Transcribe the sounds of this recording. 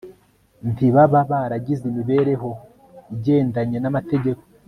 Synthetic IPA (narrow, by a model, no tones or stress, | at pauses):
ntiβaβaβaːɾaɟizimiβe̞ːɾe̞ɦo̞ | iɟe̞ːndaɲe̞namateɟe̞ko̥